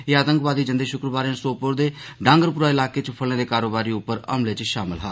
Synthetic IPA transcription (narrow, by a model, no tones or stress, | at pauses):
eːaːt̪ə̃ŋkʋaːd̪iːd͡ʒənd̪eːʃʊkɾəbaːɾjãːsoːpʊɾd̪eː | ɖãːŋɡəɾpʊɾaːɪlaːkeːt͡ʃpʰəleːd̪eːkaːɾoːbaːɾiːʊpːəɾə̰mleːt͡ʃʃaːmɪlɦa̰ː